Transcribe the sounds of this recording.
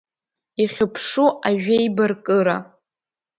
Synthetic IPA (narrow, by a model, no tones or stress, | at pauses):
iχʲɪpʰʂuaʒᶣejbarkʼɨɾa